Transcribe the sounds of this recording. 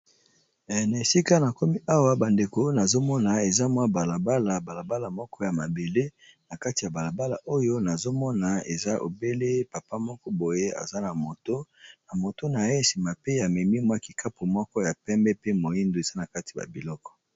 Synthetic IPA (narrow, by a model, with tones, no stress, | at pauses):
na˨e˨si˦ka˦na˨ko˦mi˦ʔa˦wa˦ba˨nde˨ko˦na˨zo˦mɔ˦na˨e˨za˦mwa˦ba˨la˨ba˦la˨ba˨la˨ba˦la˨mɔ˦kɔ˦ja˨ma˨be˨le˦na˨ka˦ti˨ja˨ba˨la˨ba˦la˨ʔo˦jo˦na˨zo˦mɔ˦na˨ḛ˨za˦ʔo̰˨be˦le˦pa˨pa˦mɔ˦kɔ˦bo˨je˦a̰˨za˦na˨mo˨to˦na˨mo˨to˦na˨je˦e˨si˨ma˨pe˦ja˨mɛ˨mi˦mwa˦˨ki˨kʰa˦po˨mɔ˦kɔ˦ja˨pɛ˦mbɛ˦pe˦mo˨ji˦ndo˨e˨z̥a˦na˨ka˦ti˨ba̰˨bi˨lɔ˦kɔ̥˨